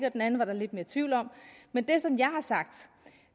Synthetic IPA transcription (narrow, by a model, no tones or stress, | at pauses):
ɡ̥ɒ̽d̥enæn̩ʋɑ̈ɾ̥ɑ̈le̝d̥̚me̝ːɐt͡sʰʋiʊ̰lɒ̽m̰mend̥e̝sɒ̽mjɑ̈ɪhɑ̈sɑ̈ɡ̥̚d̥